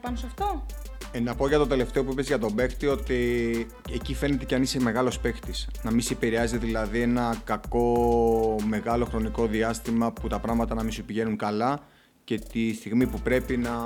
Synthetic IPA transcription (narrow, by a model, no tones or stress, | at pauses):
pɐnsɐft̪o | enɐpo̞ʝɐt̪o̞t̪e̞le̞ft̪e̞o̞p̬uipe̞zʝɐt̪o̞be̞xt̪io̞t̪i | ecife̞ne̞t̪ecɐniseme̞ɣɐlo̞spe̞xt̪isnɐmisipiɾeɐzet̪eðilɐðie̞nɐkɐko̞ | me̞ɣɐlo̞xɾo̞niko̞ðiɐst̪imɐput̪ɐpɾɐɣmɐt̪ɐnɐmisepiʝe̞nuŋkɐlɐ | ce̞t̪ist̪iɣmipupɾe̞pinɐ